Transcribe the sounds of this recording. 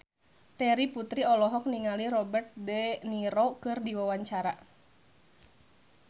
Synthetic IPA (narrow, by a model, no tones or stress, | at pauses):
t̪ɛɾiput̪ɾiɔlɔɦɔk̚niŋaliɾɔbɛrt̪̚dɛniɾokɨrdiwawaɲt͡ʃaɾa